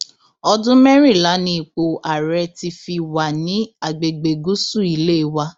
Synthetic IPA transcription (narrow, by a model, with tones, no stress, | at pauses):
ɔ˧dũ˦mɛ˦ɾĩ˦˨la˨˦nĩ˦i˨k͡po˨ʔa˨ɾɛ˧ti˧fi˧wa˨nĩ˨˦a˨ɡ͡be˨ɡ͡be˨ɡu˦su˦˨i˨le˦˧wa˧